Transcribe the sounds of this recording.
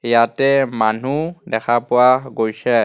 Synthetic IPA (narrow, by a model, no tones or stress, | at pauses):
jatɛmanudɛkʰapʊwaɡojsɛ